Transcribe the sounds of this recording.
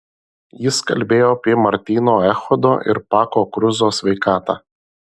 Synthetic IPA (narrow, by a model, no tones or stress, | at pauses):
jɪskɐlʲbʲeːjoːɐpʲiɛmɐɾʲt̪ʲiːnoːɛxɔd̪o̰ːʔɪ̰ɾpɑːkoːkɾʊzoːsʲʋʲɛɪkɑːt̪ɑː